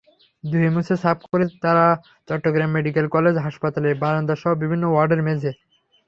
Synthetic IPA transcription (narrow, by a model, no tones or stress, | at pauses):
d̪uɦemusesap̚koɾet̪aɾa | t͡ɕɔʈːoɡɾamːeɖik̬elkɔled͡ʑɦaʃpat̪alebanond̪aʃɔɦobibʱinːowaɾɖeɾmed͡ʑe